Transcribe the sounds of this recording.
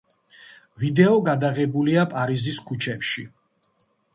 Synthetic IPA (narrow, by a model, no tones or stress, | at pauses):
vid̪ɛɔɡad̪aʁɛbuliapʼaɾiziskʰut͡ʃʰɛpʃi